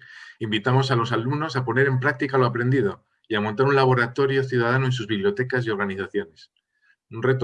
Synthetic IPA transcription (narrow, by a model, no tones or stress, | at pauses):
imbit̪amo̞salo̞salumno̞sapo̞ne̞ɾe̞mpɾak̚t̪ikaloapɾe̞nd̪iðo̞ | iamõ̞nt̪aɾunlaβo̞ɾat̪o̞ɾjo̞θjuð̞að̞anoe̞ns̬uzβiβljo̞t̪e̞kasio̞ɾɣ̞aniθaθjo̞ne̞s | unre̞t̪o